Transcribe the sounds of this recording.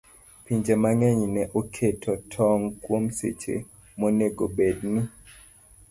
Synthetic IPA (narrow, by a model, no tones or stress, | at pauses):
piɲd͡ʒemaŋɛɲnɛʔokʰetʰɔtʰɔŋkwomsḛt͡ʃḛ | moneɡobedni